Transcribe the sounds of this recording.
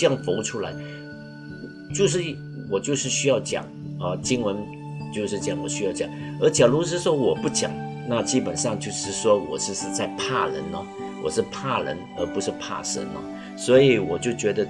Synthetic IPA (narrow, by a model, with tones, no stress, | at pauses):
jɑ˥˩ŋfo˧˥ʊʈ͡ʂʰu˥la˧˥ɪ | t͡ɕjo˥˧ʊʂ̬ɻ̩˥˩˥ | wɔ˨˩t͡ɕjo˥˧ʊʂɻ̩˥˩ɕy˥jɑ˥˩ʊt͡ɕjɑ̰˨˩˦ŋə˧t͡ɕi˥ŋwə˧˥n | t͡ɕjo˥˧ʊʂɻ̩˥˩t͡ɕjɑ˨˩ŋwɔ̰˨˩ɕy˥jɑ˥˩ʊt͡ɕjɑ˨˩˦ŋə˞˧˥t͡ɕjɑ˨˩lu˧˥ʂ̬ɻ̩˥˧ʂwɔ˥wɔ˨˩pu˥˩t͡ɕjɑ̰˨˩˦ŋ | na˥˧t͡ɕi˥pə˨˩nʂɑ˥˧ŋt͡ɕjo˥˧ʊʂɻ̩˥˩ʂwɔ˥wɔ̰˨˩ʂɻ̩˥˧ʂɻ̩˥˧t͡sa˥˧ɪpʰa˥˩ɻə̰˧˥nə˧ | wɔ̰˨˩ʂɻ̩˥˧pʰa˥˩ɻə̰˧˥nə̰˧˥pu˧˥ʂɻ̩˥˧pʰa̰˥˩ʂə̰˧˥nə̰˧ | swɔ˧˥i˨˩˦wɔ˨˩t͡ɕjo˥˩ʊt͡ɕɥɛ˧˥d̪ə˧